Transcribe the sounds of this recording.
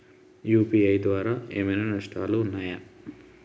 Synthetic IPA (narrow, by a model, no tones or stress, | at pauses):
juːpiɐjd̪ʋaːɾaːeːmɐjnɐnɐʂʈa̰ːluːnːaːja